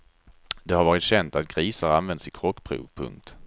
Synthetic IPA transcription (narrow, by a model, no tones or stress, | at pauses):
d̪ɛhaɾvɑːɾɪt̪ɕɛnt̪at̪̚ɡ̥ɾiːsəɾanvɛnd̪sɪkʰɾɔkːpʰɾṵːvpʰɵ̰ŋk̚t̪